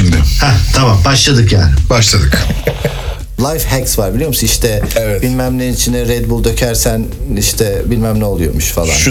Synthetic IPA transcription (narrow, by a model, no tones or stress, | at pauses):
hɛt̪ʰamambaʃlˠad̪ɯkjæːnbaʃlˠad̪ɯk | lˠajfhɛksvaɾbilʲijo̞musniʃt̪ʰɛɛvɛtbilʲmæmlʲenit͡ʃʰind̪ɛɾɛd̪bulˠd̪ø̞cʰæɾsæn | iʃt̪ʰɛbilʲmæmlʲɛo̞lˠujo̰muʃfalˠa̰n